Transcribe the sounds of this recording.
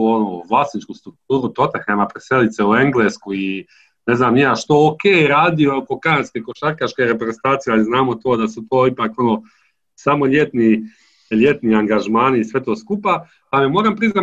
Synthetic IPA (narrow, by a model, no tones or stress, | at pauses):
onoʋlˠaːsnit͡ʃkust̪ɾukt̪uːɾut̪o̞t̪axemapɾeselit̪seue̞ŋɡleːskui | neznaːmnijaːʃt̪ookeːɾaːd̪iooko̞kanaskeko̞ʃaɾkaʃkeɾepɾezent̪aːt̪sijealˠiznaːmo̞t̪o̞ːd̪asut̪o̞ːipaːko̞no̞ | samo̞ʎʲe̞t̪ni | ʎʲe̞t̪niaŋɡaʒmaːniːsʋe̞t̪o̞ːskupa | p̪amemo̞ːɾampɾizna